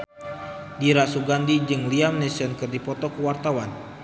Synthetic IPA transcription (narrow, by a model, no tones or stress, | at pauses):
diɾasuɡandid͡ʒɨŋliamnɛsɔnkɨrdipɔt̪ɔkəwart̪awan